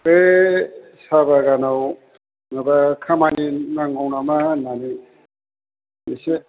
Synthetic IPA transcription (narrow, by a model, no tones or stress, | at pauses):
e | sabaɡanaw | ŋabakʰamaninaŋawnamanani | mise